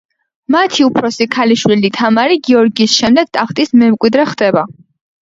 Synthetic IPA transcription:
mat̪ʰiupʰɾɔsikʰaliʃwilit̪ʰamaɾiɡiɔɾɡiːsʃɛmd̪ɛɡ̥̚t̪ʼakʰt̪ʼismɛmkʼwid̪ɾɛχd̪ɛba

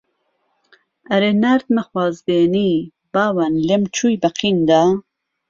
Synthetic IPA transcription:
ɐɾenaɾt̪̚məxwaːzd̪eːniː | baːwanlemt͡ʃʰuːjbɐqʰind̪aː

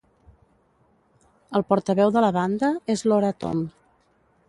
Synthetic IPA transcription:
əlˠpɔɾt̪əβɛwðələβand̪əezloɾət̪o̰m

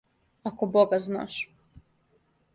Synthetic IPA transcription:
akoboɡazna̰ʃ

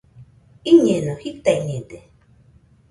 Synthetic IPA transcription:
iɲẽnõhit̪aiɲẽd̪e

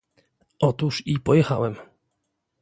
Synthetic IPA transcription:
ʔɔt̪uʂipɔjɛxa̰wɛm

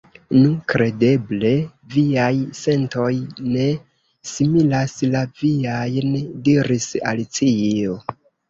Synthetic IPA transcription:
nukɾe̞de̞ble̞ | viajse̞nto̞jne̞ | similaslaviajndiɾisa̰lit͡sio

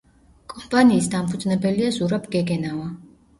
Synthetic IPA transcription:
kʼɔmpʼaniːsd̪ampʰud̪znɛbɛliazuɾabɡɛɡɛnava

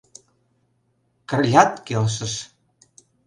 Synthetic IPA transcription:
kə̆rjʲɑt̪kelʃ̬ə̆ʃ

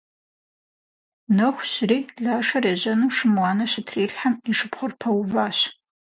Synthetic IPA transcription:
nɐxʷɕriːɮaːʂɐreːʑɐnuːʂɨmwɑːnɐɕɪtʰreːɬħamiʂɨpχʷʊrpʰɐwʊvaːɕ

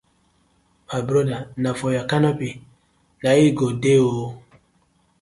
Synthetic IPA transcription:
mabɾɔdanafɔjakanɔpi | naiɡodeo

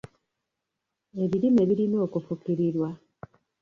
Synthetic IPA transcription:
e̞βiɾimeβiɾino̞ːkufukiɾiɾwa

